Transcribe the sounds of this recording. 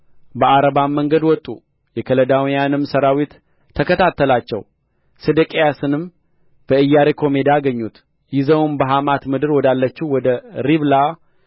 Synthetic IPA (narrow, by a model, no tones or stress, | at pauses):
bəʔaɾəβamːəŋɡəd̪wɔt̪ʼːṵ | jɛkʰələd̪awjanɨmsəɾawit̪ʰː | əkʰət̪ʰat̪ːəlat͡ʃːɛ̰w | sɨd̪əkʼejasɨnɨm | b̥əɨjːaɾekʰo̞me̞d̪aːɡəɲːut̪ | jɪzəwnbəɦamat̪mɨd̪ɨɾwɔd̪alːət͡ʃːiwɔd̪əɾiβla